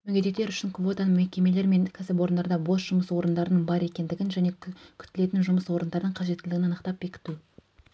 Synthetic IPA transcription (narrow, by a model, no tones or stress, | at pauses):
mɵɡʲed̪e̞t̪ːe̞ɾʏʃɪŋkʰvo̞t̪ɑnmekʲe̞me̞le̞ɾme̞ŋkʲʰæsɪp̬wo̞ɾənd̪ɑɾd̪ɑbo̞sʒ̥ʊməswo̞ɾənd̪ɑɾənəɴbɑɾe̞kʲe̞nd̪ɪɡʲɪnʒæne̞kʲʰʏ̥t̪ːɪle̞t̪ɪnʒʊməswo̞ɾənd̪ɑɾəd̪əɴqʰɑʒe̞t̪ːɪlɪɡʲɪnɑnəqt̪ɑp̚be̞kʲɪ̥t̪u